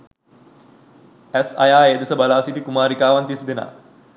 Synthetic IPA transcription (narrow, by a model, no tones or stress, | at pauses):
ɛsa̰jaːed̪esəbalaːsit̪ikumaːɾikaːʋant̪isd̪ena̰ː